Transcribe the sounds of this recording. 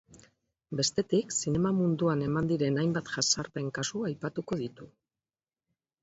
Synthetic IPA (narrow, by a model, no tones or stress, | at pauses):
be̞st̪e̞t̪iksine̞mamund̪uane̞mand̪iɾe̞najmbat̪ʝasaɾpe̞ŋkasuajpat̪uko̞ðit̪u